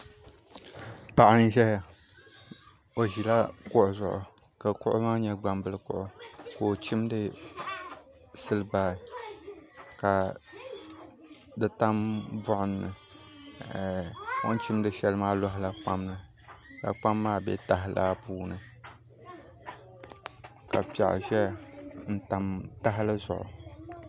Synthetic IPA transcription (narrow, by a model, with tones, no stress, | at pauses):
pa˨ʔɪ˨n˦ʒɛ˦ha˨ | o˨ʒi˨la˦kʊ˦ʔʊ˨zʊ˨ʔʊ̰˨ | ka˨kʊ̰˦ʔʊ̰˦maː˦ɲɛ˦ɡ͡ba˨mbɨ˦lɨ˦kʊ˨ʔʊ˦ko˨t͡ʃi˦mdɨ˦ | sɨ˦lɨ˦baː˨ | ka˨ | dɨ˨ta˦mbʊ˦ʔʊ˦nː˨ɨ̰˨ | ko̰˦n˦t͡ʃi˦mdɨ˦ʃɛ˦lɨ˦maː˦lɔ˦ɦɪ˦la˦k͡pa˦mlɨ˨ | ka̰˨k͡pa˦mːaː˦bɛ˦ta˨ɦɪ˦laː˦puː˦nɨ˨ | ka̰˨pa̰˨ʔʒɛ˦n̩˦ta˨mta˦ɦɪ˦lɨ˦zʊ̰˨ʔʊ̰˨